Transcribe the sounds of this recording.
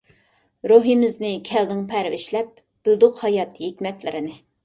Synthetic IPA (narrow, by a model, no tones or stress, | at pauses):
ɾuɦimɪznɪkʲʰɛld̪ɪŋpʰæɾvɪʃlɛp̚ | b̥ɪlˠd̪ʊqhɑjɑt̪hekʲmɛt̪lɪ̰ɾɪnɪ